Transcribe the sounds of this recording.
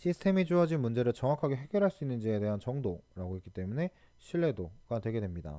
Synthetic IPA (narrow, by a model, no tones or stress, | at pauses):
ɕʰisʰɯ̥tʰe̞mid͡ʑuʌd͡ʑinmund͡ʑe̞ɾɯɭt͡ɕʌŋwakʰaɡe̞ɦe̞ɡjʌɾɦaɭs͈uinːɯnd͡ʑie̞de̞ɦant͡ɕʌŋdoɾaɡoɦek͈it͈e̞mune̞ | ɕʰiɭːe̞doɡ̥atwe̞ɡe̞dwe̞mɲida̰